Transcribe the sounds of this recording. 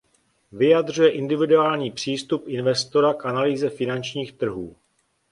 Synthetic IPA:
vɪjad̪r̝ujɛʔɪndɪvɪduaːlɲiːpr̝̥iːst̪upʔɪnvɛst̪o̞ɾakʔanaliːzɛfɪnant͡ʃɲiːxt̪r̩ɦuː

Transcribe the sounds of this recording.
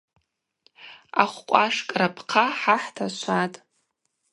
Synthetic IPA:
a̰χʷqʷʼaʂkʼrapʰqʰaħaħtʰaʃʷʰatʼ

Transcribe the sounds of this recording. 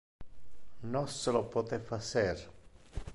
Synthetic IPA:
noselopɔt̪efaser

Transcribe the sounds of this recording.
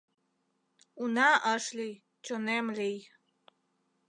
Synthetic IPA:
unaʔəʃlij | t͡ɕonemlij

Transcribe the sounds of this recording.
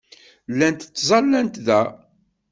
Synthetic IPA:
lːænt̪t͡sːzˤɑlːænt̪ðæ

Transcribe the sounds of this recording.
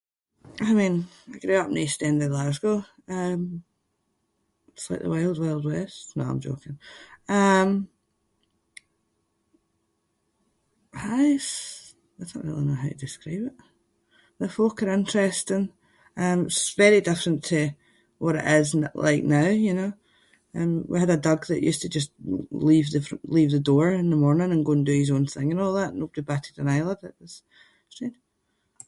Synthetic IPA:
aɪmĩn | aɪɡ̥ɹʉʌp̚nistɛ̃ndədlazɡo | ʌ̃m | tslaɪʔ̚ðə̰weɪlˠzweɪlˠdwɛstno̰ã̰ɪ̃md͡ʒo̰kɪ̃ŋʌ̃m | aɪs | ɪd̥snə̰ʔɹḭlˠinoʊɦaʊjədɨskɹivɪʔ | ðəfokə˞ɪ̃nt͡ʃɹ̥ɛstɪ̃ŋ | ʌ̃mɪtsvɛɹidɪfɹə̃ntʰə | wʌɾɪ̰ʔɪznʔlʔˠa̰ɪk̚naʊjɨnoː | ʌ̰̃mwḭədədʌɡðə̰ʔjʉ̰stʰəd͡ʒʌstlˠiːvðɪfɹə̰̃nlˠivðədɔɹɪ̃nðəmɔɹnɪ̃ŋə̃nɡoːə̃ndəizõnθɪ̃ŋə̃nɔlˠðaʔn̩obədibaʔʰɪdə̃naɪlˠədə̰ʔwəz̥ | sɹed̥

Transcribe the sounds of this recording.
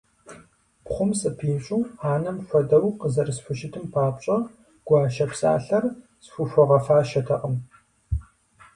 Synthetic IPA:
pχʷʊmsʼɨpʰiːɕʼuːhaːnɐmɕʷɔdɐwqəzɐrɨsfʷʊʃɪtʰɨmpʰaːpɕʼɐ | ɡ̥ʷɑːʃɐpsa̰ːɬɐr | sfʷufʷɔʁɐfaːʃɐtʰɐqʼəm

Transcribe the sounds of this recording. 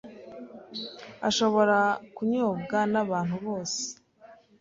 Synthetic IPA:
aʃo̞βo̞ɾakuɲoːbɡanaβaːn̥huβoːse̥

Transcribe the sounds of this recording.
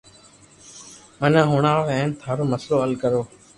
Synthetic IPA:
mənãːɦʊɳaːɽoːɛ̃ːnt̪ʰaːɾoːməsloːəlkəɾoː

